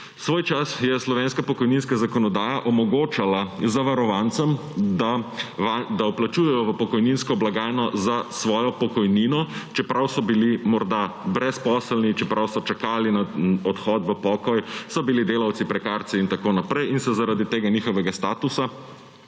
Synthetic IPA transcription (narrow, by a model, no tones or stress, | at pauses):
sʋoːjt͡ʃasjɛslɔʋeːnskapɔkɔjninskazakɔnɔd̪aːjaʔɔmɔɡoːt͡ʃalazaʋaɾɔʋant̪sɛm | d̪aʋad̪auplat͡ʃuːjɛjɔʋəpɔkɔjninskɔblaɡaːjnɔzasʋɔːjɔpɔkɔjniːnɔt͡ʃɛpɾawsɔbilimɔɾd̪abɾɛspɔːsəlnit͡ʃɛpɾawsɔt͡ʃakaːlinaɔt̪xɔt̪ʋəpɔkɔjsɔbilid̪eːlawt̪sipɾɛkaːɾt̪siint̪akoːnapɾɛjinsɛzaɾad̪it̪eːɡaniːxɔʋɛɡast̪aːt̪usa